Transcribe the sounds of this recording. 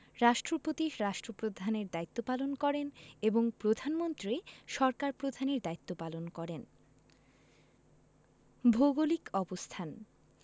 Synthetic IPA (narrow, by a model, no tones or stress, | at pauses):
ɾaʃʈɾopot̪iʃɾaʃʈɾopɾod̪ʱaneɾd̪ait̪ːopalonkɔɾeneboŋpɾod̪ʱanmont̪ɾiʃɔɾkaɾpɾod̪ʱaneɾd̪ait̪ːopalonkɔɾen | bʱoɡolikʰɔbost̪ʰan